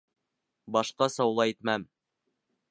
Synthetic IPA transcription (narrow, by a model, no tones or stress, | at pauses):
bɑʃqɑsɑwlˠɑit̪mæm